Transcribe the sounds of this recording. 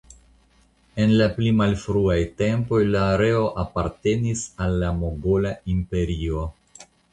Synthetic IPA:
e̞nlaplimalfɾuajte̞mpo̞jlaːɾe̞o̞ʔapaɾte̞nisalːamo̞ɡo̞laimpe̞ɾio̞

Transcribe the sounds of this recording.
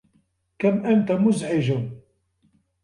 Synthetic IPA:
kæmʔænt̪æmʊzʕɪʒəm

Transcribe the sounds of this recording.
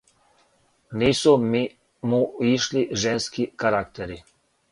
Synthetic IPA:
niːsumi | muiʃliʒenskikaɾakt̪eɾi

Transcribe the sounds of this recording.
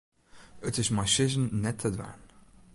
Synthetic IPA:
ətɪsmaʃɪzənːɛtʰːədʋa̰ɹn

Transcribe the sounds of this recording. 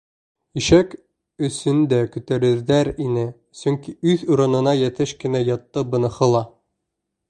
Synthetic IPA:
iʃæk | ɵ̆sɵnd̪ækʉt̪æɾɘ̆ɾðæɾinɘ | sɵŋkiʉðuɾɤ̆nɤ̆nɑjæ̆t̪ɘʃkɘ̆næjɑt̪ːɤbɤ̆nɤ̆χɤ̆lˠɑ

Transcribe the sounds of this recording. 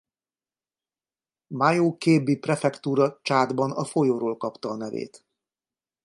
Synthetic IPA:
majoːkeːbːiprɛfɛkt̪uːɾɒt͡ʃaːd̪bɒnɒ̰fo̞joːɾoːlkɒpt̪ɒːnɛvḛːt̪

